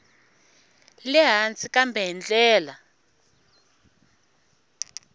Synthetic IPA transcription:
lɛɦant͡sʼikambʱɛɦɛnd͡ɮʼɛːla

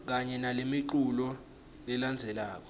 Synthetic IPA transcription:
k̬aɲɛnalemiǃulɔ | lɛland͡zʱɛlaːk̬ɔ̥

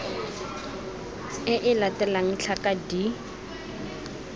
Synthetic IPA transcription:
ɪʔɪlatɛlaŋ̩ɬʰakadi

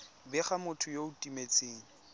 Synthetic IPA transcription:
bɛχamʊtʰʊjoʊtʼimet͡sʼeːŋi

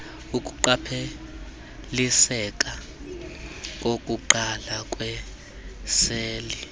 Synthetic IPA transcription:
ukʼuǃapʰe | lisɛkʼa | k̬ʼokʼuǃalakʼwɛ | seːli

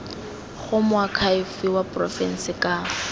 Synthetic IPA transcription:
χʊmʊakʰaɪfɪwapʼrɔ̰fɛn̩sɪkʼa

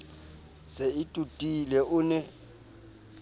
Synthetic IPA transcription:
seɪtʼutʼilɛʔʊnɛ

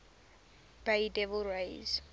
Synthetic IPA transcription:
b̥eɪdɛvəlɹeɪz̥

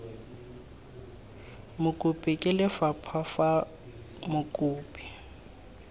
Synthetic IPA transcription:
mʊkʼʊpʼɪkʼɪlɪfapʰafa | mʊkʼuːpʼi̥

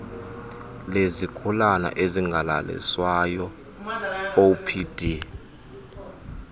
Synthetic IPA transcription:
lezikʰulana̰ʔeziŋɡʱala̰lɛ̰swajɔ | opʰid̥ʱi

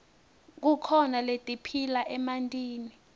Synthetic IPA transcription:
k̬ukʰɔnaletʼipʰilaʔɛmantʼiːni

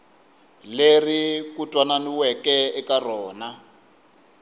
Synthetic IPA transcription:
lerikutʼwananiwɛkɛɛkarɔːna

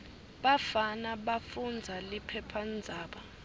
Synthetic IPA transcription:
ɓafanaɓafund͡zʱalipʰɛpʰand͡zʱaːɓa

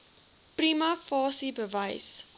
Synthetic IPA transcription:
primɐfɑːsibəvɐjs

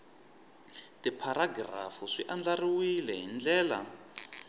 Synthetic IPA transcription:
tipʰaɾaɡra̰fuʂiʔand͡ɮariwilɛɦind͡ɮɛːla̰

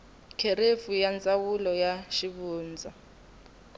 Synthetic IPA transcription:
kʰeɾefujant͡sʼawulɔjaʃiβuːnd͡zʱa

